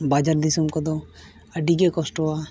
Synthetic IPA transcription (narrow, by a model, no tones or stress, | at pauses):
bad͡ʒaɾd̪isumkɔd̪o | ɐɖiɡekɔsʈoa